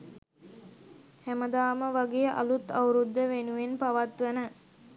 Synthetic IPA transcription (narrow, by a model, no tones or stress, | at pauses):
hæməd̪aːməʋaɡeəʔa̰lut̪awɾud̪ːəʋenuʋenpaʋat̪ʋənə